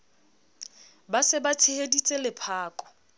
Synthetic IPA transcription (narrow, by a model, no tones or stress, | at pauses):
basɪbatʰɪhedit͡sʼelɪpʰaːkʼɔ̥